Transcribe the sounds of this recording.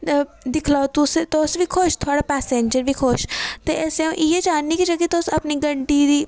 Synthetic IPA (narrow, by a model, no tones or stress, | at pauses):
d̪ɪkʰlaːt̪ʊst̪osʋiːkʰoːʃt̪ʰoaːɽaːpɛːseɲd͡ʒəɾʋiːkʰoːʃt̪eʔeseõʔiːeːd͡ʒaːnːiːkid͡ʒəɡkit̪osəpniːɡəɳʈiːd̪iː